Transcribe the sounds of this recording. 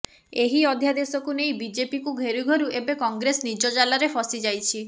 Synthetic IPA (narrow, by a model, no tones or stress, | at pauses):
eɦiɔd̪ʱjad̪esɔkunejbid͡ʒepikuɡʱeɾuɡʱɔɾuʔebekɔŋɡɾesnid͡ʒɔd͡ʒalaɾepʰɔsid͡ʒajt͡ʃʰi